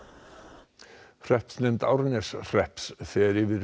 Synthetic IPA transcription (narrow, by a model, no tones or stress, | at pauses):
r̥ɛhpsnɛmt̪a̰wɾnɛsr̥ɛhpsθɛɾɪvɪɾ